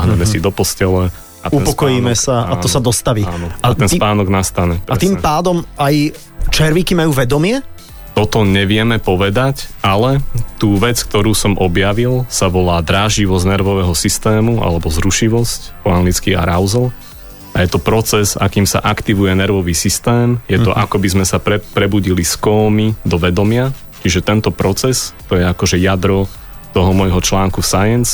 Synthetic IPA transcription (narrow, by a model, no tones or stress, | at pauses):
ɦɲɛmɛsid̪ɔpɔscɛlɛ | aupɔkɔjiːmɛsaaɔsad̪ɔst̪aʋiːanɔaat̪ɛnspaːnɔɡnast̪aɲɛpɾaɛt̪impaːd̪ɔmaj | t͡ʃɛɾʋikimajuːʋɛd̪ɔmɪɛ | t̪ɔt̪ɔɲɛʋɪɛmɛpɔʋɛd̪acalɛt̪uːʋɛt͡sk̚t̪ɔɾuːsɔmʔɔbjaʋilsaʋɔlaːd̪ɾaːʒiʋɔznɛɾʋɔʋɛɦɔsist̪ɛːmuʔa̰lɛbɔzɾuʃiʋɔscpɔaŋɡlit͡skia̰ɾaʊzl | ajɛt̪ɔpɾɔt͡sɛza̰kiːmsa̰ʔakt̪iʋujɛnɛɾʋɔʋiːsist̪ɛːmjɛt̪ɔʔakɔbizmɛsapɾɛpɾɛbuɟiliskɔːmid̪ɔʋɛd̪ɔmɪa | t͡ʃiʒɛt̪ɛnt̪ɔpɾɔt͡sɛst̪ɔjɛakɔʒɛjad̪ɾɔ | t̪ɔɦɔmɔjɦɔt͡ʃlaːŋkusajɛns